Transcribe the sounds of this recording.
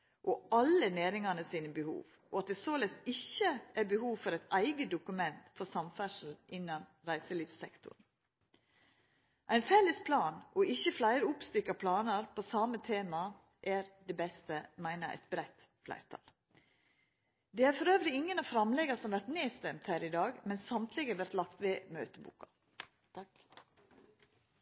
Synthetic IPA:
ʔɔɑləneːɾɪŋɑnəsiːnəbəhṵːʋ | ʔɔɑt̪̚d̪ɛsoːlɛsɪçːəʔæɾbəhuːʋfɔɾæɪt̪æɪɡəd̪ʊkʉmɛnt̪fɔɾsɑmfæʂl̩ʔɪnːɑn | ɾæɪsəliːfsɛkt̪ʰʊ̰ɳ̩ | ʔæɪnfɛləspʰlɑːnʔɔʔɪçəflæɪɾəʊpst̪ʏkːɑpʰlɑːnəɾpʰoːsɑmət̪ʰeːmɑ | ʔæːɾd̪ɛbɛst̪əmæɪnəɾʔæ̰t̪̚bɾɛt̪ | flæ̰ɪɾt̪ʰɑ̰l | d̪ɛːæɾfɔɾøːʋɾɪɪŋːənɑfɾɑmlɛɡɑsɔmʋæɾt̪neːst̪ɛmt̪hæːɾɪd̪ɑːɡmɛnsɑmt̪ʰlɪɡəʋæɾt̪lɑkt̪ʋeːmøːt̪əbṵːkɑ | t̪

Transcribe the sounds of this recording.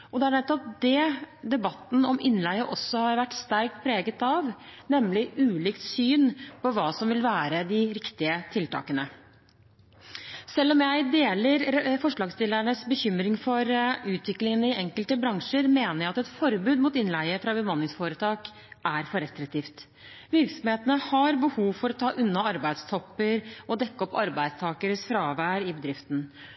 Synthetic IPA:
ʔɔd̪ɛæɳɛt̪ːɔptd̪ɛd̪ɛbɑt̪ːn̩ɔmɪnlæɪəʔɔsːɔhɑɾʋæʈːst̪æɾk̚t̪̚pʰɾeːɡət̪ɑʋnɛmlɪʔʉːliːkt̪syːnpɔʋɑːsɔmʋɪlʋæːɾəd̪ɪɾɪkt̪ɪət̪ʰɪlt̪ʰɑ̰ːkənə | sɛlːɔmjæɪd̪eːləɾfɔʂɭɑːɡst̪ɪlæɳəsbəçʏmɾɪŋfɔɾʉːt̪ʋɪklɪŋənəɪɛŋkəlt̪əbɾɑŋʂəɾmeːnəɾjæɪɑt̪ɛt̪fɔɾbʉːd̪muːt̪ɪnlæɪəfɾɑbəmɑnɪŋsfoːɾət̪ʰɑːk | ʔæɾfɔɾɛst̪ɾɪk̚t̪ʰiːft̪ | ʋɪɾksɔmheːt̪ənəhɑɾbəhuːʋfɔɾɔt̪ʰɑːʔʉnːɑɑɾbæɪd̪st̪ʰɔpːəɾɔd̪ɛkːəɔpːɑɾbæɪd̪st̪ʰɑːkəɾsfɾɑːʋæɾɪbəd̪ɾɪft̪n̩

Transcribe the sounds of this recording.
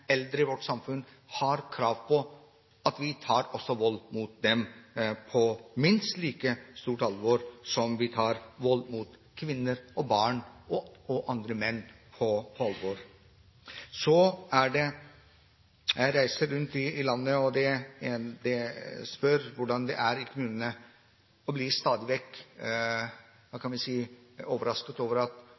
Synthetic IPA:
ɛld̪ɾəɪʋɔʈːsɑmfʉnː | hɑɾkʰɾɑːʋpʰɔ | ɑt̪ʋɪt̪ʰɑːɾɔsːɔʋɔlːmuːt̪̚d̪ɛmpʰɔmɪnst̪liːkəst̪uːʈɑlʋɔɾsɔmʋɪt̪ʰɑːɾʋɔlmuːt̪ | kʰʋɪnːəɾɔbɑːɳɔɔʔɑnd̪ɾəmɛnːpʰɔpʰɔɑlʋoːɾ | sɔæɖɛ | jæɪɾæɪsəɾːʉnt̪ɪːlɑnːəɔd̪ɛ | d̪ɛspœɾʋʊɖɑnd̪ɛ̰ʔæɾikʰʊmʉːnənə | ɔbliːst̪ɑːd̪ɪʋɛkː | d̪ɑːkʰɑnʋɛsiːoːʋəɾɑskət̪oːʋəɾɑt̪

